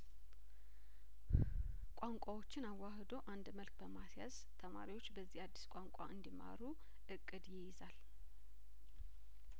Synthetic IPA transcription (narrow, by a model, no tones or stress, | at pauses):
kʷʼaŋkʷʼawo̞t͡ʃːɪnawːahd̪oʔand̪məlk̚ʼbəmasja̰z̥ | t̪ʰəma̰ɾiwo̞t͡ʃːbəzːihad̪ːi̥skʷʼaŋkʷʼa̰ʔɨnd̪ima̰ɾu | ʔɨkʼːɨd̪jɪjɪzal